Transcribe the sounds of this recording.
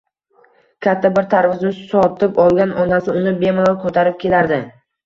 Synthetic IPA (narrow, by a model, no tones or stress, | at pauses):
kʲʰat̪ʰːabɪɾt̪ʰaɾvɪzʊʃsɒt̪ɪpɒlˠɡʲanʔɒnasɪʊnɪbe̞malˠakʰot̪ʰaɾɪp̚kʲʰe̞laɾd̪ɪ